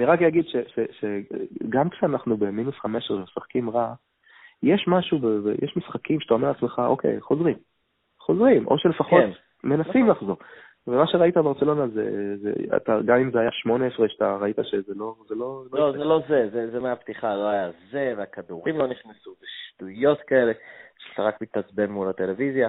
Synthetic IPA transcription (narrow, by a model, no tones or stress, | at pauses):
niʁakjaɡid̪ʃeʃeʃeɡamkʃeanaχnube̞minusχameʃeʁemesaχkimʁa | jeʃmaʃubevejʔeʃmisχakimʃe̥t̪aomeʁalat͡sme̞χaʔo̞̰kʰḛjχo̞zʁim | χo̞zʁimʔo̞̰ʃe̞lefaχko̞t | me̞nasimlaχzo̞ | vemaʃeʁait̪abeaʁt͡selo̞nazḛzḛa̰t̪aɡamimzeajaʃmo̞neesʁeʃat̪aʁait̪aʃe̞zelo̞zelo̞lolozelozezezemeapt̪iχaloajazeveakad̪uʁimlo̞niχnesubeʃtujo̞tkaele̞ʃat̪aʁakmit̪at͡sbemːulat̪elevizja